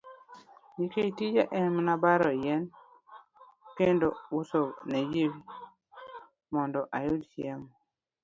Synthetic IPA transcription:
ɲikeitid͡ʒaʔɛmnabaɾɔjɛn | kendousowned͡ʒiwi | mɔndɔʔajʊdt͡ʃɛm

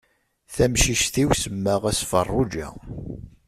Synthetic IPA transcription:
θæmʃiʃθiwsəmːæʁæsfə̰rˤːʊd͡ʒæ̰

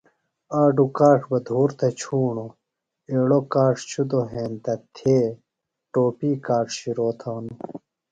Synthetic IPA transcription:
aːɖukaːʈʰbɐd̪ʱuːɾt̪ʰet͡ɕʰuːɳo | eːɽokaːʈʰt͡ɕʰud̪oɦeːnt̪ɐt̪ʰeː | ʈoːpiːkaːʈʰɕiɾoːt̪ʰaːnu

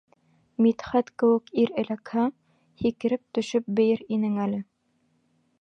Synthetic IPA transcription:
mit̪χæt̪kɘ̆wɘ̆kiɾɘ̆lækhæ | hikɘ̆ɾɘp̚t̪ɵ̆ʃɵp̚bɘ̆jɘɾinɘŋælɘ

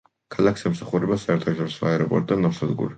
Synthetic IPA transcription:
kʰalˠakʰsɛmsaχuɾɛbasaɛɾt̪ʰaʃɔɾisɔaɛɾɔpʼɔ̰ɾt̪ʼd̪anɔɾsad̪ɡṵɾi

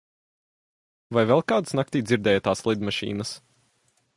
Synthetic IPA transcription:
vajvɛlˠkaːd̪snak̚t̪iːd̪zʲiɾd̪ɛːjat̪aːslˠid̪maʃḭːnəs

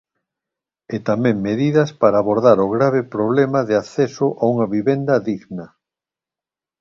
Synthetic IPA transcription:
et̪amɛ̃ŋmeðiðɐspaɾaːβoɾðaɾoɣɾaβɪpɾoβlemɐðɪaθɛsʊʔauŋɐβiβend̪ɐðiɣnɐ

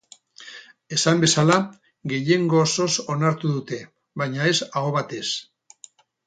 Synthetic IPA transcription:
e̞sambe̞sala | ɡe̞je̞ŋɡo̞ːso̞so̞naɾt̪uðut̪e̞ | βajɲae̞sao̞βat̪e̞s

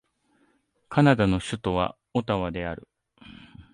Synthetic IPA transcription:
kanad̪ano̞ɕɨt̪o̞βa̰ | o̞t̪aβad̪e̞aɾɯ̟̰

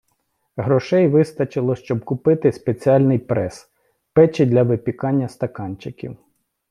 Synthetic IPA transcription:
ɦɾɔʃɛjʋɪst̪ɐt͡ʃɪlˠɔʃt͡ʃɔb̚kʊpɪt̪ɪspet͡sʲiɑlʲnɪjpɾɛs | pɛt͡ʃɪd̪ʲlʲɐʋɪpʲikɑnʲːɐst̪ɐkɑnʲt͡ʃɪkʲḭw

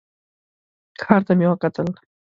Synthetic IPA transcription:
kʰɑɾt̪amewəkat̪əl

